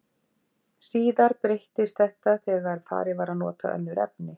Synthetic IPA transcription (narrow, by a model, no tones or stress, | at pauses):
siːðaɾpɾejht̪ɪst̪θɛht̪aθɛːɣaɾ̥fa̰ːɾɪvaɾanɔ̰ːt̪ʰa̰ʔœ̰lːʏɾɛ̰p̚nɪ